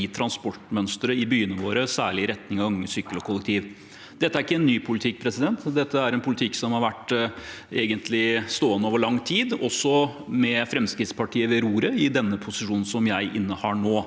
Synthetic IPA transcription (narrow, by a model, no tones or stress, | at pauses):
iːt̪ʰɾɑnspɔʈmœnst̪ɾəɪbyːənəʋoːɾəsæ̰ːɭɪɾɛt̪nɪŋɑʋɑŋːəsyːkːəlɔkʰʊlːɛk̚t̪ʰiːʋ | d̪̥ɛt̪ːəæɾɪkːəɛnːyːpʰʊlɪt̪ʰɪk̚ːpʰɾɛsɪd̪ɛnt̪d̪ɛt̪ːəæɾɛnpʰʊlɪt̪ʰɪkːsɔmhɑɾʋæʈː | ḛːɡənt̪ʰlɪst̪oːənoːʋəɭɑŋt̪ʰiːd̪ɔsːɔmɛfɾɛmskɾɪt̪spʰɑʈʰiːəʋɛɾuːɾəɪd̪ɛnːəpʰʊsɪʂuːnn̩sɔmjæɪʔɪnːəhɑɳoː